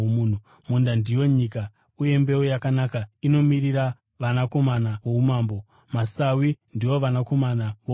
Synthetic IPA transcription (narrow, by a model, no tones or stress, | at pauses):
omuːn̤u | mundandijo̞ɲika | uje̞mbe̞ojakanakaino̞miriɾa | ʋanako̞manaʋo̞umaːmbo̞ | masawindiwo̞ʋanako̞manaʋo